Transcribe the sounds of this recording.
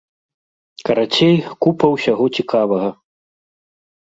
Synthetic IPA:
kɐɾat͡sʲejkupɐwsʲaɣɔt͡sʲikʰavɐɣɐ

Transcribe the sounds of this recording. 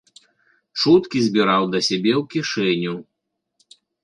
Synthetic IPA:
t͡ʂut̪kʲizʲbʲiɾawd̪ɐsʲabʲɛwkʲiʂɛnʲu

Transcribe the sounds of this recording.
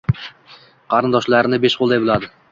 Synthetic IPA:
qʰɑɾɨnd̪ɒʃlaɾɪnɪbeʃqʰolˠd̪ajbɪlˠɑd̪ɪ

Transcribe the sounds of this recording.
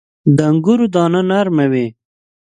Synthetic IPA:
d̪aŋɡuɾud̪ɑːnanaɾmawe

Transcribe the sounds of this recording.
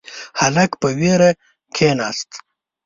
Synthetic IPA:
hɐlɐkpəweːɾɐ | kʰeːnaːst̪

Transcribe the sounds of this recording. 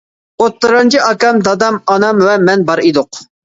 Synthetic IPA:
ot̪ːɨɾɑnt͡ʃʰiʔɑkɑmd̪ɑd̪ɑmɑnɑmwɛmɛnbɑɾid̪ʊq

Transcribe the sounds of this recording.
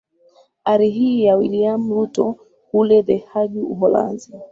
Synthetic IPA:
aɾiɦiːjawḭliam̩ɾutɔ | hulɛðɛhaʄuuɦɔla̰nzi

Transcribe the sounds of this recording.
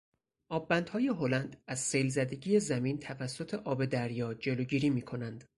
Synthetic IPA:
ʔɒːbːænd̪hɒːje̞ɦo̞lænd̪æz̥sejlzæd̪e̞ɟiːje̞zæmiːnt̪ʰævæsːo̞t̪ʰe̞ʔɒːbe̞d̪æɾjɒːd͡ʒe̞loɟiːɾiːmiːkʰo̞nænd̪̥

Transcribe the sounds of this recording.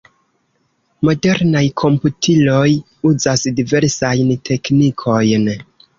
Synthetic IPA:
mo̞de̞ɾnajkʰo̞mputʰilo̞j | uzasdive̞ɾsajntʰe̞knikʰo̞jn

